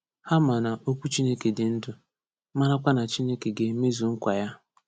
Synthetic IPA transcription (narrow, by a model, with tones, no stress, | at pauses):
ha˦ma˨na˨ʔo˦kʷu˦t͡ʃi˦ne˦ke˨dɪ˨n̩˦dʊ˨ | ma˦ɾa˦kʷa˦na˨t͡ʃi˦ne˦ke˨ɡe˦me˦zu˨ŋ̩˦kʷa˨ja˦